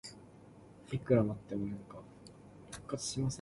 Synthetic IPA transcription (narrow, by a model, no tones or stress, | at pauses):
ikɯ̟ɾamat̪ːemonãŋka | hɯ̥kːat͡sɨ̥ɕimasẽ